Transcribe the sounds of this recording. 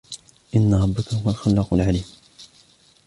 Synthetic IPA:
ʔɪnːaɾˤɑbːakahʊwalxalːɑqʊlʕaliːm

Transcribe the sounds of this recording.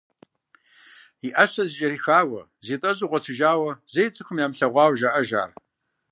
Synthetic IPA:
iʔɐɕɐzt͡ʃʼɐɾiːxaːwɐ̰ | zitʼɐʑʼuʁʷɔtʰɨʒaːwɐzejt͡sʼɨxɨmjaːmɬɐʁʷɑːwʒaʔɐʒa̰ːr

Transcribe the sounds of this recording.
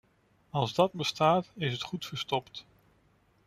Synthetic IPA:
ɑlˠzdɑt̚bəstaːtɪsətχutfəɹstɔpt

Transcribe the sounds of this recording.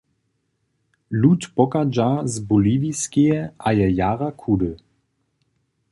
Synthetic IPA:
lut̪pɔkad͡ʒazbuliːviskijɛʔajɛjaːʁakʰudə

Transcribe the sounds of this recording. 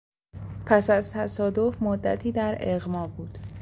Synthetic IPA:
pʰæsæzt̪ʰæsɒːd̪o̞fmod̪ːæ̰t̪ʰiːd̪æɾeɣmɒːbuːd̪̥

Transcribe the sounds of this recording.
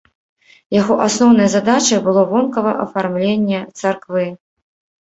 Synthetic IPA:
jaɣɔʔasnɔwn̪ɐjɐzad̪at͡ʃɐjbɨlˠɔvɔnkɐvɐʔɐ̰farmlʲenʲːɛt̪sarkvɨ

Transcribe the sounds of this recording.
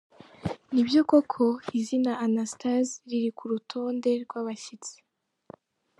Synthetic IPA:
nibjokokʰo̞izinaanastazɾiɾikuɾutʰo̞ːnde̞ɾɡwaːβaɕit͡se̥

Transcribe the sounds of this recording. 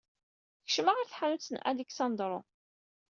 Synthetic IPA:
çə̥ʃmaʁaɾθħanut͡sːənʔæ̰liksɑnd̪ɾˤo

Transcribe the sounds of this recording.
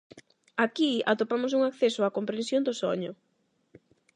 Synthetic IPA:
akia̰t̪opamʊs̬uŋakθesoakompɾẽnsjond̪ʊso̰ɲʊ̰

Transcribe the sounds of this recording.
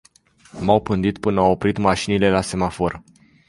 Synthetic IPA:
mawpɨnd̪it̪pɨnəawopɾit̪maʃinile̞lase̞mafo̞r

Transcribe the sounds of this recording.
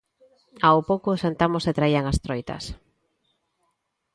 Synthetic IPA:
awpowkosant̪amoset̪ɾaiaŋast̪ɾojt̪ɐ̰s

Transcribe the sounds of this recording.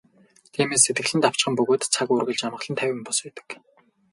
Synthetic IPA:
t̪ʰiːmeːs̬ːet̪ɡɘ̆ɮɘ̆nt̪aw̥t͡ɕ̆χə̆mpɵɣoːt̪t͡sʰakurɣɘ̆ɮt͡ɕamə̆ɮə̆nt̪ʰæwʲɪ̆mpɔsæːt̪ə̥̆k

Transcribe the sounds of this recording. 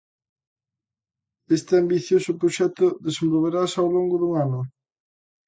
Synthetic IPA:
est̪ɪambiθjosʊpɾoʃɛt̪ʊðesembolβeɾasawloŋɡʊðuŋanʊ

